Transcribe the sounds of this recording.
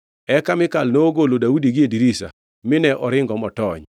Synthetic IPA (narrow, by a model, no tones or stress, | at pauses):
ɛkamɪkalnoːɡolodaudiɡɪediɾisa̰ | mɪnɛʔɔɾɪŋɡɔmɔtɔɲ